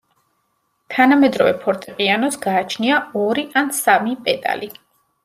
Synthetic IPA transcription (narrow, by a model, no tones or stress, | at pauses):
t̪ʰanamɛd̪ɾɔvɛ̰pʰɔɾt̪ʼiqʼianɔsɡaːt͡ʃʰniaɔɾiʔansamipʼɛd̪ʼa̰li